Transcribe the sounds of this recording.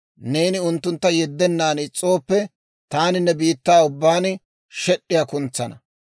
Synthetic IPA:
ne̞ːnɪʊnt̪ːʊnt̪ːɐjɛd̪ːɛnːaːnɪt͡sʼːo̞ːpːɛ | t̪aːnɪnːɛbiːt̪ːaːʊbːaːn | ʃɛɗːɪjaːkʊnt͡sːɐnɐ

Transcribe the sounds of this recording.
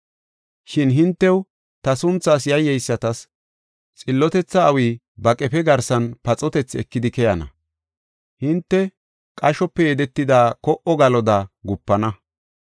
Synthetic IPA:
ʃɪnɦɪnt̪ːɛw | t̪ɐsʊnt͡sːaːs̬jɐjːɛjsːɐt̪ɐs | t͡sʼɪlːɔt̪ɛt͡sːɐːwiː | bɐkʼɛpɛɡɐɾsɐnpɐt͡sʼɔt̪ɛt͡sːɛkːɪd̪ɪkɛjɐnɐ̰ | hɪnt̪ːɛ | kʼɐʃɔpːɛjɛd̪ɛt̪ːɪd̪aːkɔʔɔɡɐlɔd̪aːɡʊpːɐnɐ

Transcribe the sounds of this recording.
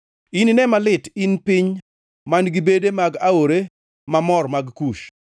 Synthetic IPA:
ininɛmalɪtɪnpɪɲ | manɡibedemaɡaoɾe | mamɔrmaɡkuʃ

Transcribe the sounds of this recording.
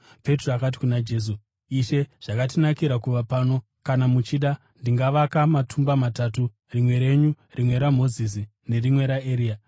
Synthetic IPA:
pe̞troakat̬i̥kunad͡ʒe̞s̬u | iʃe̞ʐ̥akat̬inakiɾakuʋapaːno̞ | kanamut͡ʃiɗa | ndiŋɡaʋakamatʰumbamatatu | rimwe̞ɾe̞ɲu | rimwe̞ɾamo̞zis̬i | ne̞rimwe̞ɾaeɾiːa

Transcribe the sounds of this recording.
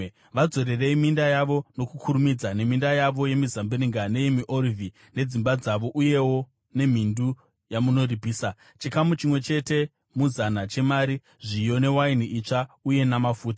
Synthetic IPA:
ʋad͡zo̞ɾe̞re̞imindajaʋo̞no̞kukʰuɾumid͡zane̞mindajaʋo̞je̞mizambiriŋɡane̞jemiʔorivi | ne̞d͡zimbad͡zaʋo̞ʔuje̞wo̞ | ne̞m̤indu | jamuno̞ribʱiːsa | t͡ʃikamut͡ʃimwe̞t͡ʃe̞te̞ | muzanat͡ʃe̞maɾi | ʐijo̞ne̞wainiʔit͡ʂauje̞namafuːtḁ

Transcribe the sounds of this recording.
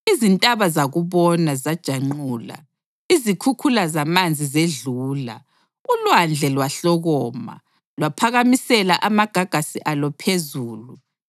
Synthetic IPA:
izintʼaβazaɣuβɔnazad̥ʒ̥ʱaŋ͡ǃuːla̰ | izikʰukʰulazamand͡zʱizeɮuːla̰ | ulwand͡ɮʱɛlwaɬɔɣɔːma̰ | lwapʰaɣamisɛlaʔamaɡ̥ʱaɡ̥ʱasiʔalɔpʰezuːlu

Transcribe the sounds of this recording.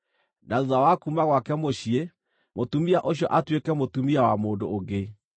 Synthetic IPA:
naðuðawakumaɣwakɛmoɕie | motumiaʔoɕjɔʔatwekɛmotumiawamoːndoːɡe

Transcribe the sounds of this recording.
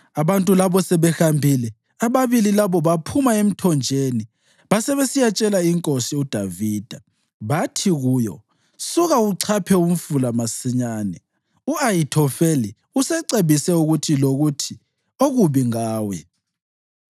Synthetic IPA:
aβantʼulaβɔsɛβɛxambʱilɛ | aβaβililaβɔβapʰumaem̩tʰɔnd͡ʒʱeni | βasɛβesijat͡ʃʼɛlaiŋkʼosiud̥ʱaviːd̥ʱa | βatʰiɣujɔ̰ | suɣauǀʰapʰɛum̩fulamasiɲaːnɛ | uajitʰɔfeli | usɛǀeβisɛuɣutʰiloɣutʰi | oɣuβiŋaːwɛ

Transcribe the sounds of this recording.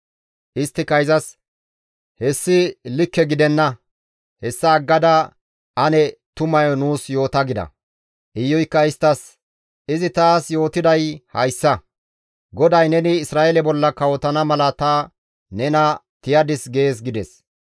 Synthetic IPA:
ʔɪst̪ːɪkɐjzɐs | hɛsːɪlɪkːɛɡɪd̪ɛnːɐ | hɛsːɐːɡːɐd̪ɐ | ʔɐnɛt̪ʊmɐjɔnuːsjo̞ːt̪ɐɡɪd̪ɐ̰ | ʔɪjːɔjkːɐɪst̪ːɐs | ɪzɪt̪aːsjo̞ːt̪ɪd̪ɐjhɐ̰jsːɐ | ɡɔd̪ɐjnɛnɪːsɾaːʔelɛbɔlːɐkɐwɔt̪ɐnɐmɐlɐt̪ɐ | nɛnɐt̪ɪjɐd̪ɪsɡe̞ːs̬ɡɪd̪ɛs

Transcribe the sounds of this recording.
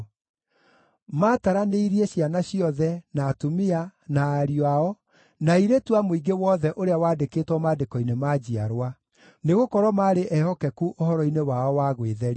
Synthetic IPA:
maːtaɾaneiɾieɕianaɕiɔðɛnaːtumianaːɾiwaɔ | naiɾetuamoiɡewɔðɛʔoɾeawaːdeketwɔmaːdekɔinemaːd͡ʑia̰ɾwa | neɣokɔɾwɔmaːɾeʔɛhɔkɛkuʔohɔɾɔinewaɔwaːɣweðɛɾi

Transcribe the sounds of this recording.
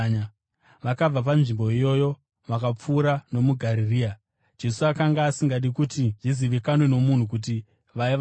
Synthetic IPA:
ʋakab͡vap̬anʐimbo̞ijo̞jo̞ | ʋakap͡fuːɾano̞muɡʱaɾiriːa | d͡ʒe̞suakaŋɡaːsiŋɡaɗikutiʐiziʋikanwe̞no̞mun̤uk̬ut̬i | ʋai

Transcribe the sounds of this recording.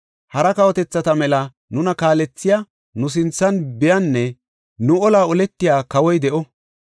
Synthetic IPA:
hɐɾɐkɐwɔt̪ɛt͡sːɐt̪ɐmɛlɐ | nʊnɐkaːlɛt͡sːɪja | nʊs̬ɪnt͡sːɐnbɪjɐnːɛ | nʊɔlaːɔlɛt̪ːɪjaːkɐwɔjd̪ɛʔɔ

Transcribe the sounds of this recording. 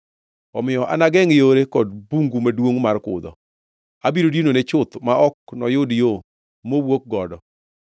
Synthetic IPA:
ɔmɪɔʔa̰naɡɛŋɪjoɾekɔd̚buŋɡumadwoŋmarkʊ̰d̪ɔ̰ | abiɾodinonet͡ʃʊt̪maʔɔknɔjʊdjo | mowwok̚ɡɔdɔ

